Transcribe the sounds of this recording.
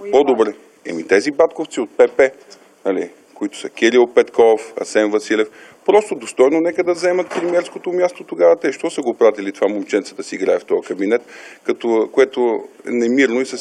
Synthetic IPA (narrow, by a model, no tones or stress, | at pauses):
pod̪obɾɛ | ɛ̰mit̪ɛzibat̪koft̪siot̪̚pɛpɛ | nɐlḭ | koit̪ʊ̥səkʲɛɾilˠpɛt̪kɔfɐ̰sɛnvɐsilɛfpɾɔst̪od̪ost̪ɔjnonɛkəd̪ɐvzɛmɐt̪̚pɾɛmiɛɾskot̪omʲjast̪ot̪oɡavət̪ɛʃt̪ɔsəɡopɾat̪ilit̪ovamomt͡ʃɛnt̪sə̥t̪əsiiɡɾaɛft̪ɔjkɐbinɛt̪kɐt̪okoɛt̪oɛ̰nɛmiɾnoisə